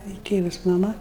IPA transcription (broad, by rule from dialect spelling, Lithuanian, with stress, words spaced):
ɪr ˈtʲeːʋʊs mɐˈmɐ